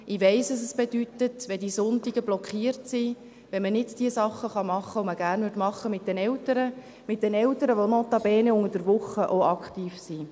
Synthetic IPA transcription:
ʔiʋɛɪsɑs̬ɛsb̥ed̥ytətʋɛd̥isʊntiɡəblɔkχiərtsi | ʋɛnmənɪdd̥iəsɑχːəχɑmɑχːəoməɡ̥æːrnʋʏtmɑχəmɪt̚d̥ɛnɛltəɾə | mɪt̚d̥ɛnɛltəɾəʋonɔt̪ɑbɛːneʊŋəd̥əɾʋʊχəʔoɑktiːfsi

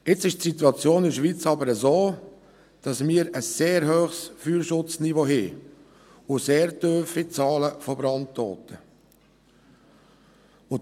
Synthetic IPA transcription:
ɪt͡sɪʃtsituɑt͡sjoːnɪʃʋiːt͡sɑbəɾəzoː | d̥ɑsmiəɾəsːeːɾɦøːχsfyːɾʃʊt͡snivoɦɪ | ʊseːɾdœfit͡sɑːləfɔbɾɑnttɔ̰ːt̪ə | ʊ

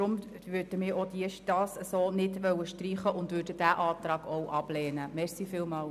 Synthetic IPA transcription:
ɾʊm | ʋøɾd̥əmɪːɾod̥iəʃd̥ɑːsəsoːnɪdʋœwəʃtriːχəʔʊndvøːɾdəd̥æːʔɑːt̪ɾɑːɡ̥ɔwʔɑb̥lɛːnəmɛɾsiːfɪːlmɑːl

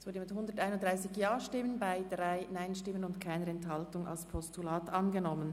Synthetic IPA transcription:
sv̥ʊɐdəmɪthʊndətaɪnʊntd̥ʁaɪsɪçjaːʃtɪmənbaɪdʁaɪnaɪnʃtɪmənʊntkʰaɪnəɾɛnthɑltʊŋa̰lspʰɔstulaːtɑnɡənɔmən

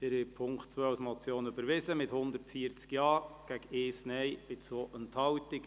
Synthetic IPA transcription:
ɛɾɪpʰʊŋktt͡sʋœːasmɔt͡sjoːnybəɾʋɪzəmɪthʊnd̪əɾtfiəɾt͡skjɑːɡ̥æɡeːsnɛjb̥ɪt͡sʋoːʔənthɑwtɪk

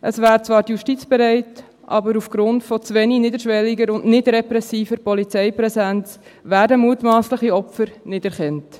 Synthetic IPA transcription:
ʔəsʋæːɾt͡svɑːɾtjuʃtit͡sb̥ɛɾæɪt | ʔɑ̰bəɾufɡ̥ɾʊntfɔt͡sʋɛninɪdəɾʃʋɛlːiɡəɾʊnʔnɪdɾɛpɾɛsiːfəɾpɔlit͡sɛɪpɾɛsænt͡s | væːɾdəmuːtmɑːsləχiɔpfəɾnɪdɛɾχɛnt

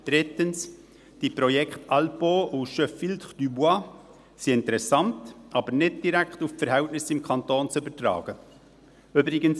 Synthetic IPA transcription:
d̥ɾɪtəns | d̥ipɾɔjɛkχtɑlpoːʔuʃœfilt̪χd̥ybuɑ | siɪntəɾɛsɑntɑbəɾnɪd̚d̥iɾækχtuffəɾɦɛltnɪsɪmkʰχɑntoːnt͡sʏbəɾtɾɑ̰ːɡ̥ə | ʏbɾɪɡəns

